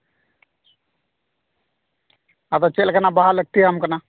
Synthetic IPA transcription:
at̪at͡ʃelkənabaɦalək̚t̪iamkɐna

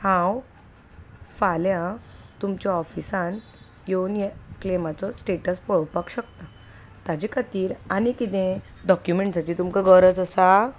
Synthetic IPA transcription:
hãw | faljãt̪umt͡ɕaɔfisãn | jonjeklemat͡sɔsʈeʈəspɔɭpakɕəkt̪a | t̪ad͡ʑikʰat̪iːɾañikit̪ẽ | ɖɔkjumeɳʈsat͡ɕit̪umkaɡəɾət͡səsa

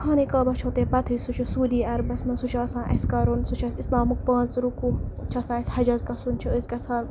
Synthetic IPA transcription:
kʰaːnikaːbɐt͡ʃʰot̪eːpɐt̪ʰisut͡ʃʰisuːd̪iːɐɾbɐsmɐnsut͡ʃʰɐsãːʔɐ̰sʲkɐɾunsut͡ʃʰɐsislaːmɨk̚paːnt͡sɾukut͡ʃʰɐsãːɐsʲhɐd͡ʒɐzkɐsunt͡ʃʰiəzʲkɐsʰaːn

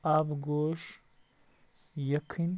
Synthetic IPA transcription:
abɡoːʂ | jɐkʰɨnʲ

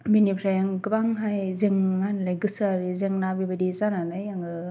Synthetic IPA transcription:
binipʰɾajaŋɡɯbaŋɦajzeŋmanlajɡɯsɯaɾizeŋnabibadizananajaŋɯ

